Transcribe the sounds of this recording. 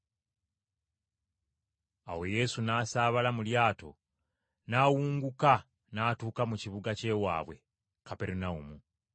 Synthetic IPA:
a̰we̞je̞sunaːsaːβalamuljaːto̞̰ | naːwuːŋɡuka | naːtuːkamuciβuɡace̞ːwa̰ːβwe̞ | kape̞ɾinaumu

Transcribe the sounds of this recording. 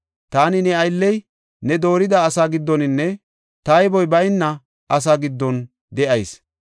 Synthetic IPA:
t̪aːnɪnɛɐjlːɛj | nɛd̪o̞ːɾɪd̪ɐːsaːɡɪd̪ːɔnɪnːɛ | t̪ɐjbɔjbɐjnːɐ | ʔɐs̬aːɡɪd̪ːɔn | d̪ɛʔɐjs

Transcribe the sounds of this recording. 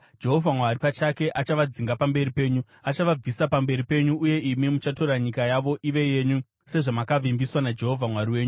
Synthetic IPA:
d͡ʒe̞ɦo̞vʱamwaɾipat͡ʃake̞ʔat͡ʃaʋad͡ziŋɡapambe̞ripe̞ːɲu | at͡ʃaʋab͡visapambe̞ɾipe̞ɲuʔːje̞imimut͡ʃato̞ɾaɲikajaʋo̞ʔiʋe̞je̞ɲu | se̞ʐamakaʋimbiswanad͡ʒe̞ɦo̞vʱamwaɾiwe̞ːɲu

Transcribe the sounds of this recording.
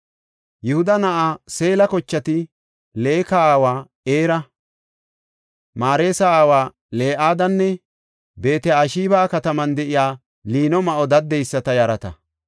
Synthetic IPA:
jʊhʊd̪ɐnɐʔaːse̞ːlɐkɔt͡ʃːɐt̪ɪ | le̞ːkɐaːwaː | e̞ːɾɐ | maːɾe̞ːsɐaːwaː | le̞ːʔaːd̪ɐnːɛ | be̞ːt̪ɛaʃiːbaːkɐt̪ɐmɐnd̪ɛʔɪjaː | liːnɔmɐʔɔd̪ɐd̪ːɛjsːɐt̪ɐjɐɾɐt̪ɐ̰

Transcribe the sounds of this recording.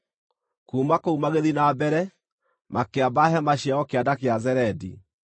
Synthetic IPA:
kuːmakoumaɣeðinabɛɾɛ | mʔakeabaɦɛmaɕiaɔkeadakeazɛɾɛdḭ

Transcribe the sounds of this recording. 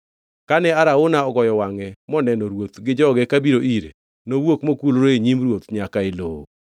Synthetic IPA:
kanɛaɾaonaɔɡɔjɔwaŋɛmɔnɛnɔɾwot̪ɡɪd͡ʒɔɡɛkabiɾoʔiɾḛ | nowokmokulɾoeɲimɾwot̪ɲakaelo̰o̰

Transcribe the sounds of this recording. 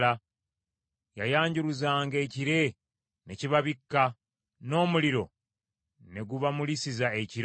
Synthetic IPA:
a | jajaːɲɟuɾuzaːŋɡe̞ːciɾe̞ | ne̞ciβaβikːa | no̞ːmuliɾo̞ | ne̞ɡuβamulisizaeciɾ

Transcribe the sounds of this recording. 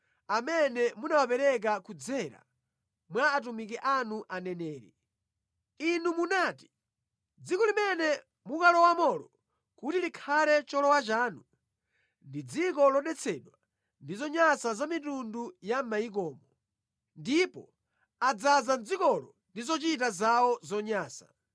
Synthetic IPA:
amɛnɛmunawapɛɾɛk̬akud͡zɛɾa̰ | mwaːt̬umik̬ɛʔanuʔanɛnɛːɾɛ̰ | inumunaːti̥ | d͡zikɔlimɛnɛ | mukalɔwamɔlɔ | kutilikʰalɛt͡ʃɔlɔwat͡ʃaːnu | ndid͡zikɔlɔɗɛt͡sʰɛɗwa | ndizɔɲasazamitundujammaik̬ɔːmɔ | ndipɔ | ad͡zazand͡zikɔlɔ | ndizɔt͡ʃit̬azawɔzɔɲaːsa̰

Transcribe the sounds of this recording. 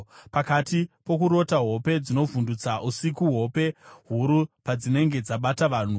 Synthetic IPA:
pakatipo̞kuɾo̞taɦo̞pe̞d͡zino̞vundut͡saʔusikuɦo̞pe̞ɦuɾupad͡zine̞ŋɡe̞d͡zaɓataʋaːn̤u

